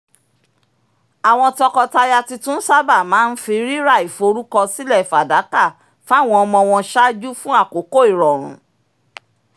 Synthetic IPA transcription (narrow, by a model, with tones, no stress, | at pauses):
a˨w̃ɔ̃˧tɔ˧kɔ˧ta˧ja˧ti˧tũ˦n̩˦sa˦ba˦˨mãː˨˦n̩˦fi˧˦ɾi˦ɾa˦˨i˨fo˧ɾu˦kɔ˧si˦lɛ˦˨fa˨da˨˦ka˦˨ | fa˦˨w̃ɔ̃˧ɔ˧mɔ̃˧w̃ɔ̃˧ʃa˦d͡ʒu˦fũ˦a˦˨ko˨˦ko˦i˦˨ɾɔ˨ɾ̃ṵ̃˨˦